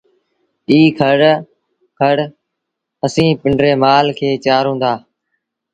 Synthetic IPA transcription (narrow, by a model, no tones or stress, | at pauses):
iːkʰəɽ | kʰəɽ | əsĩːpɪɳɖɾeːmaːlkʰeːt͡ʃaːɾɦũːnd̪aː